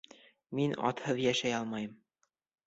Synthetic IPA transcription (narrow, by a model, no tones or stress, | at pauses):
minɒ̰t̪hɤðjæʃæjɑlˠmɑjɤm